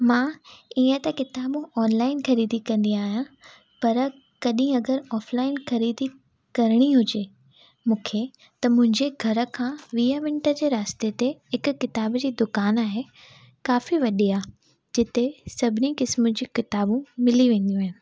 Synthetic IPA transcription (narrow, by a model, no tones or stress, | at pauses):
mãːiə̃t̪ɐkɪt̪aːbũɔːnlaːɪnxɐɾiːd̪ikɐ̃nd̪ĩaːɦijã | pɐɾ | kɐɗĩɐɡəɾɔːflaːɪnxɐɾiːd̪i | kɐɾɽ̃iɦʊd͡ʑe | mũːkʰe | t̪ɐmʊ̃ɦɪ̃ɲd͡ʑeɡʱɐɾə̆kʰãːʋiːaʋɪ̃ɳʈəd͡ʑeːɾaːst̪et̪eɦɪkʊ̆kɪt̪aːbd͡ʑiːd̪ʊkaːnaːɦe | kaːfiʋɐɗiaː | d͡ʑɪt̪esɐbʱɪnikɪsmʊd͡ʑĩːkɪt̪aːbũmɪliʋẽːn̆d̪ijũaːɦɪn